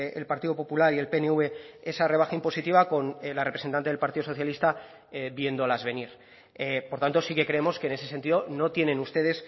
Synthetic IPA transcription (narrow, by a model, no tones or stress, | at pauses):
ḛlpaɾt̪iðo̞po̞pulaɾielpe̞neuβe̞e̞sareβaxaimpo̞sit̪iβako̞nlarepɾese̞nt̪ant̪eelpaɾt̪iðo̞soθjalist̪a | ebje̞nd̪olazβe̞niɾ | epoɾt̪ant̪o̞sike̞kɾe̞emo̞skene̞se̞se̞nt̪iðo̞no̞t̪je̞nẽ̞nust̪e̞ðe̞s